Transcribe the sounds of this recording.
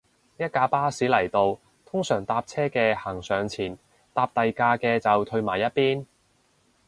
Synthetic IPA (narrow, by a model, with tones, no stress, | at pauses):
jɐ˥t̚kaː˧paː˥siː˨˥lɐ˨˩jt̪o˧w | t̪ʰʊ˥ŋsœː˨˩ŋt̪aː˧p̚t͡sʰɛː˥kɛː˧haː˨˩ŋsœː˨ŋt͡sʰiː˨˩n | t̪aː˧p̚t̪ɐ˨jkaː˧kɛː˧t͡sɐ˨wt̪ʰɵ˧ɥmaː˨˩jɐ˥t̚piː˥n